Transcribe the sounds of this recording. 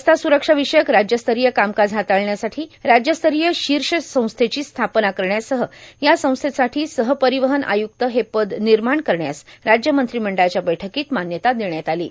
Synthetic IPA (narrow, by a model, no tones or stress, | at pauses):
əst̪asuɾəkʂaʋiʂəjəkɾad͡ʑjəst̪ʰəɾijəkamkad͡zʱɦat̪aɭɳjasaʈʰiːɾad͡ʑjəst̪ʰəɾijəɕiɾʂəsə̃w̃st̪ʰet͡ɕiːst̪ʰapnakəɾɳjasəɦəjasə̃w̃st̪ʰesaʈʰiːsəɦəpəɾiʋəɦənʔa̰juk̚t̪əɦepəd̪niɾmaɳkəɾɳja̰sɾad͡ʑjəmənt̪ɾiːm̤əɳɖat͡ɕjabəjʈʰəkiːt̪manjət̪ad̪eɳjat̪alḭː